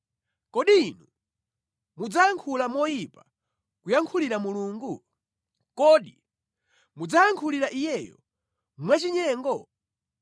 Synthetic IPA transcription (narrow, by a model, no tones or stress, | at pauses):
kɔɗiːnu | mud͡zajaŋkʰulamɔjipa | kujaŋkʰuliɾamuluːŋɡu | kɔɗi | mud͡zajaŋkʰuliɾaʔijɛjɔ̰ | mwat͡ʃiɲɛːŋɡɔ